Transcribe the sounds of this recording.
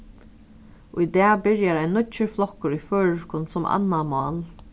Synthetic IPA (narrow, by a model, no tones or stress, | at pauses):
ʔʊjd̪ɛːbɪɹjaɾaɪjnʊt͡ʃəflɔkːʊɾiføːɹɪʃkʊnsʊma̰nːamɑːl